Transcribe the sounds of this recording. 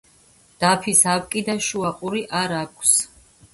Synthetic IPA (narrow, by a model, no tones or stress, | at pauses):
d̪̥apʰisawkʼid̪aʃuaqʼuɾiʔaɾakʷʼʰs